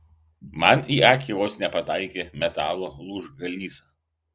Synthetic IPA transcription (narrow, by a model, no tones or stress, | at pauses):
mɐniːɑːkʲiʋoːsnʲɛpɐt̪ɑɪkʲeːmʲɛt̪ɑːlˠolˠuʒɡɐlʲiːsɐ